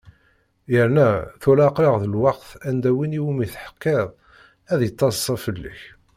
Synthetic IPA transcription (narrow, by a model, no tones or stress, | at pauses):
jəɾnæθulæqɾɑʁðəlwɑqθænd̪æwiniwəmiθħə̥qːeðˤ | æðjət̪ˤːɑssːˤɑfəlːə̰ç